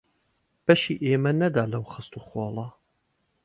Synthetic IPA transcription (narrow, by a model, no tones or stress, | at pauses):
b̥ɐʃiːʔeːmɐnɐd̪aːlɐwχɨst̪uːχoːlˠɐ